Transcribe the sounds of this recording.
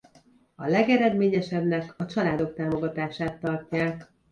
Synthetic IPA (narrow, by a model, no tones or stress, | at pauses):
ɒlɛɡɛɾɛd̪meːɲɛʃɛbnɛkɒt͡ʃɒlaːd̪o̞k̚t̪aːmo̞ɡɒt̪aːʃaːt̪ːɒrcaːk